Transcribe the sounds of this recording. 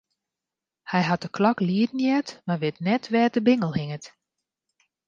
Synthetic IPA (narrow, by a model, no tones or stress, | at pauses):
hɛjɦat̚əkʰlɔkliədn̩jɛtmarʋɪtnɛtʰʋɛːtdəbɪŋəlˠhɪŋət